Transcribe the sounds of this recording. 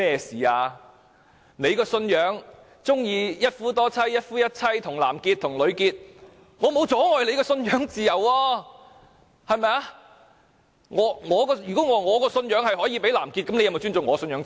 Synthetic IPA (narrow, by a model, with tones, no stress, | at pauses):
ɛː˥˩siː˨˩aː˧ | ne˨˧jkɔː˧sɵ˧njœː˨˧˥ŋ | t͡sʊ˥ŋjiː˧jɐ˥t̚fuː˥t̪ɔː˥t͡sʰɐ˥jːɐ˥t̚fuː˥jɐ˥t̚t͡sʰɐ˥jt̪ʰʊ˨˩ŋla̰ː˨˩mkiː˧t̚t̪ʰʊ˨˩ŋlɵ˨˧ɥkiː˧t̚ | ŋɔː˨˧mo˨˧wt͡sɔː˨˥ŋɔː˨jle˨˧jkɔː˧sɵ˧njœː˨˥ŋt͡siː˨˧jɐ˨˩wɔː˧ | hɐ˨˧jmɛ˧ja˧ | ŋɔː˨˧ŋɔː˨˧˥kɔː˧jyː˨kɔː˨˥ŋɔː˨˧ŋɔː˨˧kɔː˧sɵ˧njœː˨˥ŋhɐ˨jhɔː˨˥jiː˧pe˨˥jlaː˨˩mkiː˧t̚kɐ˨˥mne˧jɐ˨mɐ˨wt͡ʃyː˥nt͡sʊ˨ŋɔː˨˧sɵ˧njœː˨˥ŋ˨